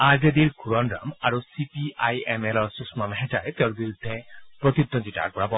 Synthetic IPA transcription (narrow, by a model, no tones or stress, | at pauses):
aɾded̪iɾkʰuɾɔnɾa̰maɾosipiʔajemelɔɾsusmamɦɛʈaɾet̪eɾbiɾud̪ʱːepɾot̪id̪ːont̪iʈa̰ɾpɔɾabɔ